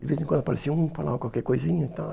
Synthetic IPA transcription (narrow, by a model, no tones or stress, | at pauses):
d̪ɪvezẽkɐ̃nʊapaɾesiũpala̰kwalkɛkojzĩɲʊit̪a